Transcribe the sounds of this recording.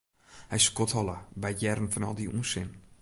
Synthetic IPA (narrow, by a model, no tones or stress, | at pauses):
hɛjskɔthɔlˠəbɛjjɛrən̩fənɔ̰lˠdiunsɪn